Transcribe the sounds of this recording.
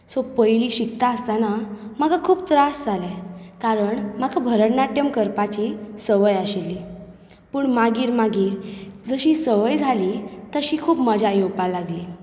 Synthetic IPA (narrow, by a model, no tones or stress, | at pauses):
sopəjliːɕikt̪aəst̪anamakʰakʰuːpt̪ɾasd͡zʱalɛ̃kaɾəɳmakʰabʱəɾəɽnaʈjəmkəɾpat͡ɕiːsəʋəjaɕelːi | puːɳmaɡiːɾmaɡiːɾd͡zəɕiːsəʋəjd͡zʱalit̪əɕiːkʰuːpməd͡ʑʱajopalaɡli